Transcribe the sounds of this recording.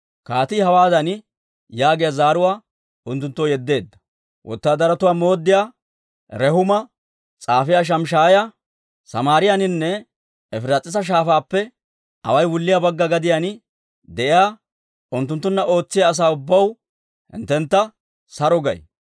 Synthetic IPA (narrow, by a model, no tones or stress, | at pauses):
kaːt̪ɪhɐwaːd̪ɐn | jaːɡɪjɐzaːɾʊwaː | ʊnt̪ːʊnt̪ːɔjɛd̪ːe̞ːd̪ːɐ̥ | wʔɔ̰t̪ːaːd̪ɐɾɐt̪ʊwaːmo̞ːd̪ːɪjaː | ɾɛhʊmɐ | t͡sʼaːfɪjaːʃ̬ɐmʃaːjɐ | sɐ̰maːɾɪjanɪnːɛ | ɛfɪɾat͡sʼːɪs̬ɐʃ̬aːfaːpːɛ | ɐ̰wɐjwʊlːɪjabɐɡːɐɡɐd̪ɪjan | d̪ɛʔɪjaː | ʊnt̪ːʊnt̪ːʊnːɐʔo̞ːt͡sːɪjaːs̬aːʊbːɐw | hɪ̰nt̪ːɛnt̪ːɐ | sɐɾɔɡɐ̰j